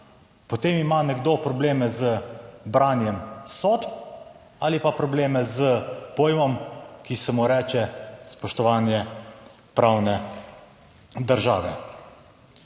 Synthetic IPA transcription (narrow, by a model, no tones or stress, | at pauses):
pɔt̪eːmimanɛɡd̪opɾɔbleːmɛzəbɾaːnjɛmsoːt̪ | alipapɾɔbleːmɛzəpoːjmɔmkisɛmuɾɛːt͡ʃɛspɔʃt̪ɔʋaːnjɛ | pɾaːwnɛ | d̪əɾʒa̰ːʋɛ